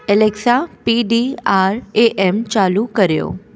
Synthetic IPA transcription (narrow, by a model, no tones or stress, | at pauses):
ɛleksapiɖiaɾeʔɛmt͡ʃalukəɾjo̰